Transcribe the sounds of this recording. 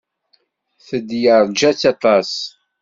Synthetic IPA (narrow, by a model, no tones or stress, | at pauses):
θəd̪jəɾˤd͡ʒæt͡sːɑt̪ˤɑs